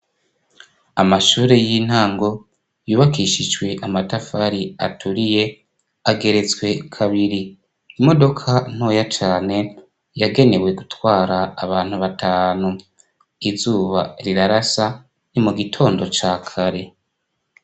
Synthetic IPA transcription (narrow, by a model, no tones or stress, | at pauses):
amaʃuːɾe̞jin̥haːŋɡo̞ | juːβakiːʃid͡ʒwe̞ʔamatafaɾia̰tuɾije̞ | aɡe̞ɾe̞zwe̞kʰaβiɾiː | mo̞do̞kʰan̥o̞ːjat͡ʃaːne̞ | jaɡe̞ne̞we̞ɡutwaːɾaːβaːn̥huβatʰaːnu | izuːβaɾiɾaɾasa | nimuɡitʰo̞ːndo̞t͡ʃaːkʰaɾe̞